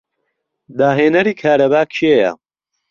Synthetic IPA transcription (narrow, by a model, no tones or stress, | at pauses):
d̪aːɦeːnɐɾiːkʰaːɾɐbaːkt͡ʃʰiejɐ̰